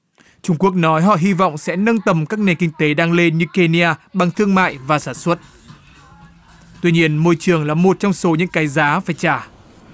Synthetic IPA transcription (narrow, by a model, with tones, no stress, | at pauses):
t͡ɕʊ˧ŋ͡mku˦˥ək̚nɔ˨˦jɦɔ̰˧˨ɦi˧vɔ̰˧˨wŋ͡msɛ̰˧˥nə˧nt̪ə˨˩mkaː˦˥k̚ne˨˩nkï˧ŋ̟t̪e˨˦ɗaː˧ŋle˧nɲɨ˧ke˧ni˧aː˧ɓa˨˩ŋt̪ʰɨ˧əŋma̰ː˧˨jvaː˨˩saː˧˩nswə˦˥t̚ | t̪wi˧ɲi˧ənmo˧jt͡ɕɨ˨˩əŋlaː˨˩mo˨˩t̚t͡ɕɔ˧wŋ͡mso˨˦ɲɨ̰˧˥ŋkaː˨˦jzaː˨˦faː˧˩jt͡ɕaː˧˩